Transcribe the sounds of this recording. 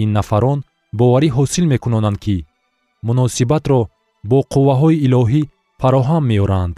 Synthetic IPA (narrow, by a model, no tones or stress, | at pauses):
inːafaɾɔn | bɔvaɾiɦɔsilme̞kunɔnand̪̚kʰi | munɔsibat̪ɾɔ | bɔqʰuvːaɦɔiːlɔɦi | faɾɔɦamːeɔɾand̪